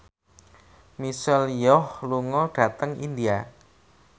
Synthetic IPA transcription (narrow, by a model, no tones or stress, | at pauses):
misɛljɔhluŋɔɖ̥a̤t̪əŋḭnd̪ia